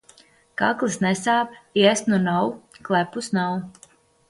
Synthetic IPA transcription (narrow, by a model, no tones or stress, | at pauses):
ka̰klˠɨsnɛsaːpiɛsnunawklæpusnaw